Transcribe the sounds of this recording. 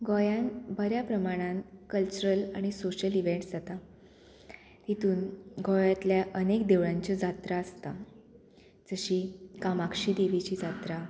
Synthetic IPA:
ɡɔjãnbʱəɾjapɾəmaɽ̃ãnkəlt͡ɕuɾəlaɽ̃isoɕəliʋeɳʈd͡zat̪a | t̪it̪uːnɡʱɔjat̪ljaʔənekd̪eʋɭãɲt͡ɕɔd͡zat̪ɾaəst̪a | d͡zəɕiːkamakʂiːd̪eʋit͡ɕiːd͡zat̪ɾa

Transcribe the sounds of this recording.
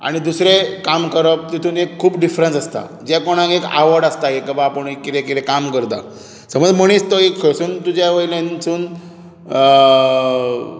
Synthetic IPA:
a̰ɽ̃id̪usɾekamkəɾəp̚t̪it̪ʰuːnekʰːuːpɖifɾənsəst̪a̰ | d͡ʑakoɽ̃ãkeka̰ʋəɾɖast̪aekəbaːpəɳekːit̪ẽkit̪ẽkamkəɾt̪a̰ | səməd͡zm̤əɽ̃iːst̪əekʰəsuːnt̪ud͡ʑjaʋəjilẽnsuːn

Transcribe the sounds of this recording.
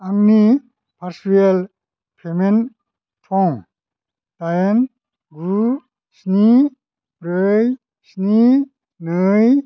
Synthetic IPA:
aŋni | pʰaɾsel | pʰemen | tʰɔŋ | tajen | ɡu | sni | bɾəj | sni | nɯj

